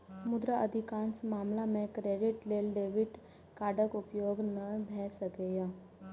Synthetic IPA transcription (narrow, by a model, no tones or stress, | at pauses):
mʊd̪ɾaɐd̪ʱɪkaːnsmaːmlamẽkɾeːɖɪʈleːlɖeːʋɪɖ | kaːɖəkʊpjoːɡnɐbʱɛːsəɡejaː